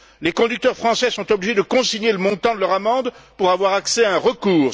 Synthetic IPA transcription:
lekɔ̃d̪yk̚t̪œʁfχɑ̃sɛsɔ̃t̪ɔbliʒed̪əkɔ̃siɲeləmɔ̃t̪ɑ̃d̪əlœʁamɑ̃d̪puʁavwaʁaksɛaɛ̃ʁəkuːʁ

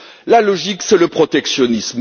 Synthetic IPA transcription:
lalɔʒiksɛləpχɔt̪ɛksjɔnism

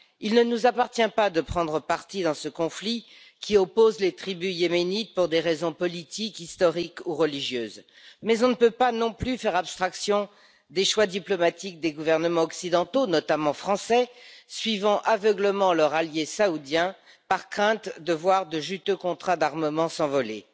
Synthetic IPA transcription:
ilnənuzapaʁt̪jɛ̃pad̪əpχɑ̃d̪ʁəpaʁt̪id̪ɑ̃səkɔ̃fli | kʲʰiɔpozlet̪χibyjemenit̪̚puʁd̪eʁezɔ̃pɔlit̪ikist̪ɔʁikuʁəliʒjøːz | mɛzɔ̃nəpøpanɔ̃plyfɛʁabst̪χaksjɔ̃ | d̪eʃwad̪iplɔmat̪ik̚d̪eɡuvɛʁnəmɑ̃ɔksid̪ɑ̃t̪onɔt̪amɑ̃fχɑ̃sɛsɥivɑ̃ʔavəɡləmɑ̃lœʁaljesaud̪jɛ̃ | paʁkχɛ̃t̪d̪əvwaʁd̪əʒyt̪økɔ̃t̪χad̪aʁməmɑ̃sɑ̃vɔlḛ

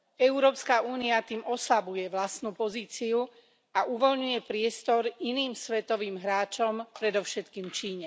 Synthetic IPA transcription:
ɛʊɾɔːpskauːniat̪iːmɔslabujɛʋlast̪nupɔziːt͡siu | aʔuʋɔlɲujɛpɾɪɛst̪ɔɾiniːmsʋɛt̪ɔʋiːmɦɾaːt͡ʃɔmpɾɛd̪ɔʊʃɛt̪kiːmt͡ʃiːɲɛ

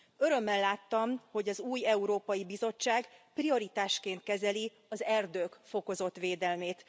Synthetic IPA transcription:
ø̞ɾø̞mːɛlːaːt̪ːɒmho̞ɟɒzuːjɛuɾoːpɒjibizo̞t͡ʃːaːɡprio̞ɾit̪aːʃkeːnt̪̚kɛzɛli | ɒzɛrd̪øːkfo̞ko̞zo̞t̪ʋeːd̪ɛlmeːt̪

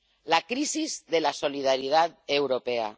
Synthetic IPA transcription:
lakɾizizðelasoliðaɾiðat̪̚ewɾopea̰

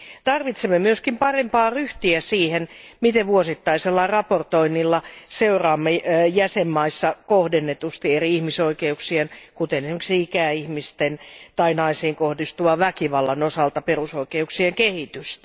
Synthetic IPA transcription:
t̪ɑrʋit̪semːemyøskimpɑrempɑːryht̪iæsiːhenmit̪eʋʋuosit̪ːɑiselːɑrɑport̪oinːilːɑseurɑːmːejæsemːɑisːɑkohdenːet̪ust̪ieriihmisoikeuksienkut̪enesimeksiikæihmist̪ent̪ɑinɑisiːŋkohdist̪uʋɑʋækiʋɑlːɑnosɑlt̪ɑperusoikeuksieŋkehit̪yst̪æ̥

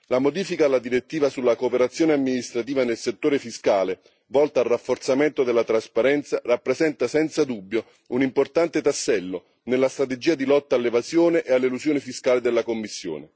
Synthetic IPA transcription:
lamod̪iːfikaːlːad̪iɾet̪ːiːvasulːakoːpeɾat̪sːjoːneamːinist̪ɾat̪iːvanelset̪ːoːɾefiskaːle | vɔlt̪aarːafːort̪sament̪od̪elːat̪ɾaspaɾɛnt̪sarapːɾezɛnt̪asɛnt̪sad̪ubːjo | unimport̪ant̪et̪asːɛlːo | nelːast̪ɾat̪̬ed͡ʒiːad̪ilɔt̪ːaːlːevazjoːneʔealːeluzjoːnifiskaːled̪elːakomːisːjo̰ːne

